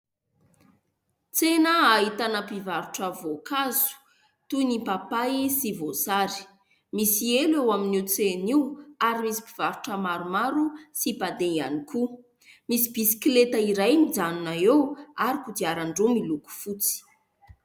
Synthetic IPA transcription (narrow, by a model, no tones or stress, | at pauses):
t͡senəːɦit̪anəpivaɾuʈ͡ʂəvokazu̥ | t̪unipapajsivosaɾi̥ | misielewaminiwt͡seniwaɾimisi̥piv̥aɾuʈ͡ʂəmaɾumaɾusipad̪eia̰niku | misi̥b̥isi̥klet̪əiɾajmid͡zaninaewaɾikud̪iaɾaɳɖ͡ʐumiluku̥fut͡si̥